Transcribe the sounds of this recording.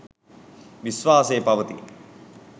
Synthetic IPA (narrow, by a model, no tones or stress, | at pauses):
ʋisʋaːseːpɐʋət̪ḭ